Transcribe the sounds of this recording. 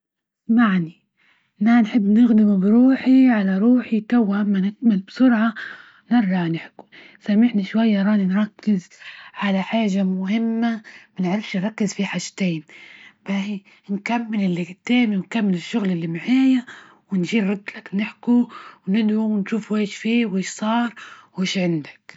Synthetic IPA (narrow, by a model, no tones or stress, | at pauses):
smaʕni | nanħɪbːnɪɣd̪ɪmubɾuːħiʕalaɾˤuːħit̪awːaʔamːanɪt̪̚mɪlbsʊɾʕa | nɪɾˤʒɑʕnɪħku̥ | samɪħniʃwajːaɾˤɑːninɾˤɑkːɪzʕalaħaːʒamʊhɪmːamanɪʕɾˤɪfʃinɾˤɑkːɪzfiħad͡ʒt̪eːmbai | nkamːɪlɪlːɪɡɪt̪eːmiwnkamːɪlɪʃːʊɣlɪlːimaʕaːja | wɪnʒiːɾˤɑd̪ːlaknɪħkuwnɪd̪ʕuwɪnʃuːfweːʃfiːweːʃsˤɑːɾˤweːʃʕɪnd̪ḁk